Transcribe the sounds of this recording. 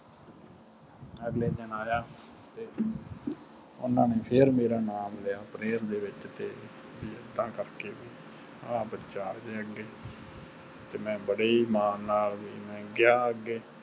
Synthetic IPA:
əɡleːd̪ənaːjaː | t̪eː | ʊ̰nãːneːpʰɪɾmeːɾaːnaːmlejaːpɾeːɾd̪eːʋɪt͡ʃt̪eː | biːəd̪ãːkəɾkeːbiː | aːbət͡ʃaːd͡ʒ̪eːəɡːeː | t̪eːmɛ̃ːbəɽeːiːmaːnaːlbiːmɛ̃ːɡjaːəɡeː

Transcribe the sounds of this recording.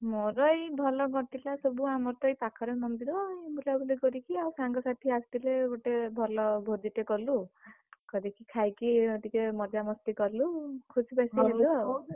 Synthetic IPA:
moɾɔjbʱɔlɔɡɔt̪ilasɔbuamɔt̪ɔjpakʰɔɾɔmɔnd̪iɾɔebulabuleɡɔɾikiawsaŋɡɔsat̪ʰiast̪ileoʈebʱɔlɔbʱod̪iʈekɔlu | kɔd̪ikʰikʰajkiɔd̪ikemɔd̪jamɔst̪ikɔlukʰusʰipajsielu

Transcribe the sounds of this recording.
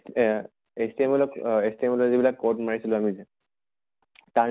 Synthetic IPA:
estiemɔlɔkestiemɔlɔzibilakːoʈmaɹisilʊamizɛ | t̪a

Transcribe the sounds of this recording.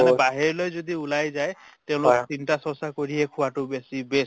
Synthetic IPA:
nɛbaɦeɹlojzod̪iʊlajzajteʊ̃lʊktintasɔsakoɹiɦekʰʊwatʊbesibes

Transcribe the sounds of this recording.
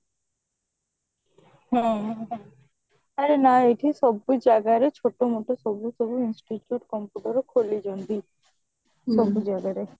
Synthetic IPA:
ɦɛ̃ | aɾenaejʈʰisɔbːujd͡ʑaɡaɾet͡ɕʰoʈːomoʈosɔbusobuinsʈit͡ɕjuʈkɔmpuʈaɾokʰolid͡ʑɔnd̪i | sɔbujd͡ʑaɡaɾe

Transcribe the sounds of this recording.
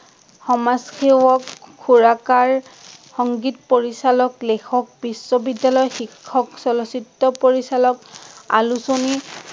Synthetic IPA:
xɔmaskewɔkkʰːuɹakaɹxɔŋɡitpoɹisalɔklekʰɔk̚bisːɔbidːalɔjxikʰːɔksɔlɔsitːɔpoɹisalɔka̰lusoni

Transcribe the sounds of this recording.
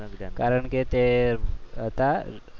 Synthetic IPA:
kaɾəɳket̪e | ət̪a

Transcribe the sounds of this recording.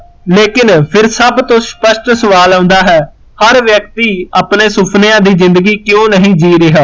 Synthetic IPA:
leːkɪnpʰɪɾsəbt̪õːspəʃʈsəʋaːlãʊ̃nd̪aːɦɛː | həɾʋjək̚t̪iːaːpneːsʊpʰnejãːd̪iːzɪ̃nd̪əɡiːkjõːnəɦĩːd͡ʒiːɾɪɦaː

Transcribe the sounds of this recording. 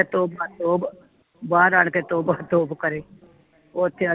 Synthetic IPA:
et̪oːbaːt̪oːb | baːɾaːɳkeːt̪oːbat̪oːbkəɾeː | oːt̪ʰːeːə

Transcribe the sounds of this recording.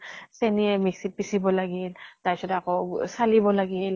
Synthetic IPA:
seniemiksit̚pisibɔlaɡilt̪ajt͡ʃɔdakɔsalibɔlaɡil

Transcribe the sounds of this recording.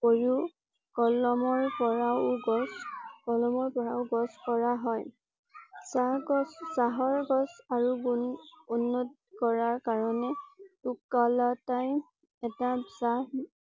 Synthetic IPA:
poɹu | kɔlɔmɔɹpɔɹaʊɡɔskɔlɔmɔɹpɔɹaʊɡɔskɔɹaɦɔj | saɡɔsːaɦɔɹɡɔsaɹuɡuunːɔt | kɔɹaɹkaɹɔnɛtukːalataj | ɛtasa

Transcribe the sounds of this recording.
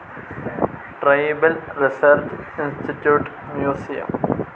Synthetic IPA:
ʈɾɐjbɐlɾisɐɾd͡ʒinsʈʰiʈjuːʈ | mjoːsijɐ̰m

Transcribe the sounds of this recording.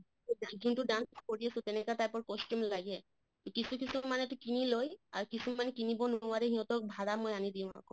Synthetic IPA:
ɡituaɡʱũntuɖanskoɹiasʊ̃t̪ɛnɛkataɹpɔɹkɔstɔmlaɡɛ | tukisʰukisumanɛtukiniloja̰ɹkisumanɛkinibɔnʊwaɹɛɦiɦɔ̃t̪ɔk̚bʱaɹamojanid̪ijʊ̃ma̰kɔ

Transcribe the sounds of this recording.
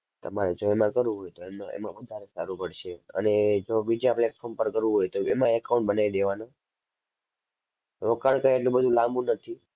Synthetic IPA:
t̪əmaɾed͡ʒoemãkəɾʋũɦojt̪oemaḛmãʋəd̪ʱaɾesa̰ɾũpəɽʃeə̰ned͡ʒobid͡ʒapɭɛʈfʰoɾmpəɾkəɾʋũɦojt̪oḛmãɛkaũɳʈ̚bənaʋid̪eʋano | ɾokaɳkəjeʈlĩbəd̪ʱũlamũnət̪ʰi

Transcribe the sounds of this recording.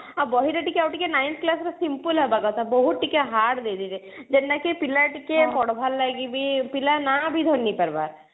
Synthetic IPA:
abɔɦiɾaʈikeawʈikenajnt̪klasɾasimpulɦɛbaɡat̪abɔɦut̪̚ʈikeɦaɽd̪ed̪id͡ʒe | d͡ʒenːakipilaʈikepɔɽbʱalːaɡibipilanabʱid̪ʱɔnːipəɾba̰ɾ

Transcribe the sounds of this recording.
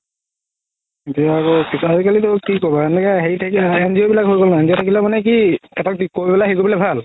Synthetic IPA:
itijaːkokisazikalitokikobɔtɛntakɛɦejtʰakiɛnziobilakɦojɡɔlnaɛnziɔtʰakilɛmanɛk̬iɛtakikobɛlaɦekobilɛbʱal

